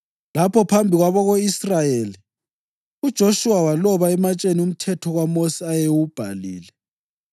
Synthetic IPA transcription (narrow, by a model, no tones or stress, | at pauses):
lapʰɔpʰambʱiɣwaβɔɣoisrajeːli | ud̥ʒ̥ʱoʃuwawalɔβaɛmat͡ʃʼenium̩tʰɛtʰɔɣwamosiajewub̥ʱa̰liːlɛ